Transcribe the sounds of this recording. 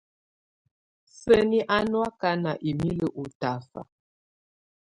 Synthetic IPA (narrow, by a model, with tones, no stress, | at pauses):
sə˦ni˦ʔa˦nwa˦ka˦na˨ʔi˨mi˦lə˦ʔu˨ta˨fa̰˨